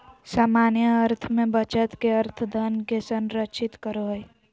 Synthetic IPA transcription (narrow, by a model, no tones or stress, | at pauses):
saːmaːnjəːɾt̪ʰmẽbət͡ʃət̪ʰkeəɾt̪ʰd̪ʱənkesənɾət͡ʃʰɪt̪kəɾoɦəj